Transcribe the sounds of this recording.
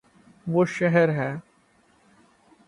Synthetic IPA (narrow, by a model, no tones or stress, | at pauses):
ʋoːʃɛɦɛɾɦɛː